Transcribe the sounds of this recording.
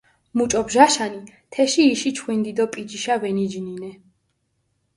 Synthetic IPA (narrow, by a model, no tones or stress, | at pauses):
mut͡ʃʼɔbʒaʃanit̪ʰɛʃiːʃit͡ʃʰχwind̪id̪ɔpʼid͡ʒiʃavɛnid͡ʒninɛ